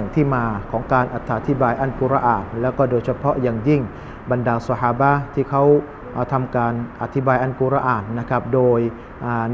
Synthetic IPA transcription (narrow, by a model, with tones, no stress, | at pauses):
ŋt̪ʰiː˥˩maː˧kʰɔː˩˦ŋkaː˧nʔa˨˩t̪ʰːaː˧t̪ʰi˦˥baː˧jʔa˥˩nkuː˧ɾa˧˥ʔaː˨˩n̚lɛː˦˥wkɔː˥˩doː˧jt͡ɕʰa˧pʰɔ˦˥ʔjaː˨˩ŋji˥˩ŋ | ba˧ndaː˧sa˧haː˧ba˦˥t̪ʰiː˥˩kʰa˦˥w | ʔːt̪ʰa˧mkaː˧nʔa˨˧t̪ʰːi˦˥baː˧jʔa˥˩nkuː˧˩ɾa˧ʔaː˨˩n̚na˦˥kʰa˦˥p̚doː˧j | ʔaː˨˩n